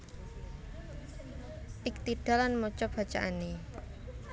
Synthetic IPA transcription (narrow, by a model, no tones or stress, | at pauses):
ʔɪk̚t̪iɖ̥a̤lanmɔt͡ʃɔb̥a̤t͡ʃaʔane